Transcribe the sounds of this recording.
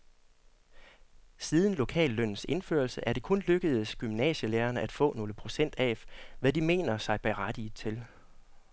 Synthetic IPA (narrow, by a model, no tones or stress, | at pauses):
siːð̞ˠn̩lo̝kʰɛ̰ːlːøn̰n̩se̝nfø̰ɐlsəʔæɐd̥e̝kʰɔ̽nløɡ̥əð̩ˠsɡ̥ymnɛ̰ːɕəleːɐnəʔæd̥fɔ̰̽ːno̝ːləpʰʁo̝sen̰d̥ɛʋæd̥ime̝̰ːnɐsɑ̈ɪb̥æʁad̥iːt͡sʰe̝l